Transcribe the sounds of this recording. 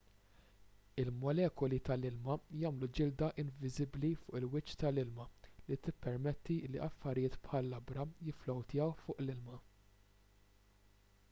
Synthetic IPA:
ɪlmɔlɛːkɔlit̪ɐlɪlmɐjɐːmlud͡ʒɪld̪ɐʔɪɱvɪzɪblifʊːʔɪlwɪt͡ʃːt̪ɐlɪlmɐlit̪ɪpːɛɾmɛt̪ːiɪlːiʔɐfːɐɾɪjɪːt̪pħɐlːɐbɾɐjɪflɔwt̪ɪjɛwfʊːʔlɪlmɐ

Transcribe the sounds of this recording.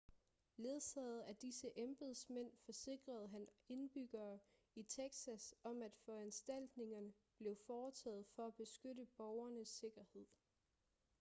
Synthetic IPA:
le̝ðˠsɛ̰ð̩ˠæd̥isəʔemb̥ð̩ˠsmen̰fɒ̽se̝ɡ̥ʁɐð̞ˠɦæne̝nb̥yɡ̥ɐː | it͡sʰeɡ̥sæsɒ̽mæd̥fɒænsd̥æl̰d̥ne̝ŋɐnə | b̥le̝ʊfɒːt͡sʰɛ̰ːð̞̩ˠfɒ̽æb̥e̝sɡ̥øɾəb̥ɒʊɐnəsːe̝ɡ̥ɐhe̝ð̰ˠ

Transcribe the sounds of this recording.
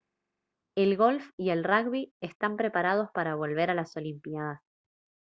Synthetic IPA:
e̞lɣo̞lfie̞lraɣβiest̪ampɾe̞paɾað̞o̞spaɾaβ̞o̞lβe̞ɾalaso̞limpjað̞as

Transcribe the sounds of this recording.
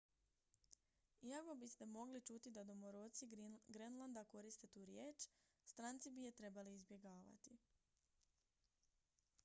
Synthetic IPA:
iako̞bist̪e̞mo̞ɡlit͡ʃut̪id̪ad̪o̞moɾoːt̪siɡɾenlˠand̪ako̞ɾist̪e̞t̪uːɾje̞ːt͡ʃ | st̪ɾaːnt̪sibijet̪ɾe̞baliːzbje̞ɡaːʋa̰t̪i

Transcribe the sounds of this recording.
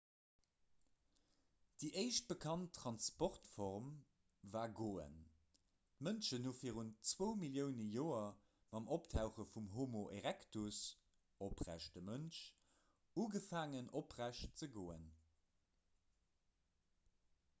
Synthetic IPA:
d̥iːʔəɪʃt̚b̥əkʰɑntʰːʁ̥ɑnspɔʁtfɔʁm | vaːɡoːə̰n | tmənʃənhuːfiːɐʁuntt͡swəʊmiljəʊnəjoːɐ | mɑmʔoptʰaʊχəfumɦomoʔeʁæktus | opʁæ̰ʃdəmənʃ | uːɡəfaːŋənopʁæʃtt͡səɡoːən

